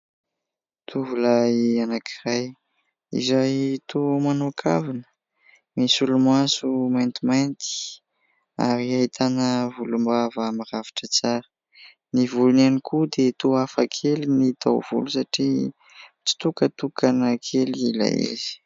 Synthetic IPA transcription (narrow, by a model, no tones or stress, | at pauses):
t̪ʰuvulaianakʰiraj | ḭzajt̪omanukʰa̰vinə̥ | misulumasumajnt̪imajnt̪i̥ | a̰ɾiaɦit̪ʰanəvulumbavamiɾavi̥ʈ͡ʂət͡saɾə̥ | nivulunanikʰud̪et̪uafakʰelinit̪a̰wv̥ṵlusaʈ͡ʂi | t͡ʃi̥t̪ukət̪ukanakʰelila̰jḛzi̥